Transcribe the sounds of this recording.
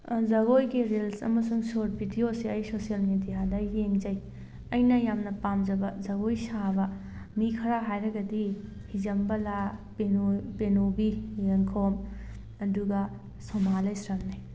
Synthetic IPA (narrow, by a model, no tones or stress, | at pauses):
zɐɡojɡiɾilsɐ̰mɐsuŋsoɾt̚bʱidiosiɐjsosijɐlmedijadɐjeŋzɐj | ɐjnɐjamnɐpamd͡ʒɐbɐzɐɡojsabɐ | mikʰɐɾaɦajɾɐɡɐdi | hizɐmbɐlabenopenobijeŋkʰom | ɐduɡɐ | somalajsɾɐmnaj